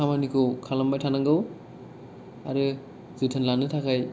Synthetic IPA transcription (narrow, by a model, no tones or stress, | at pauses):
amanikʰɯkʰalambajtʰanaŋɡɯw | aɾɯ | zɯjtʰɯnlanɯtʰakʰaj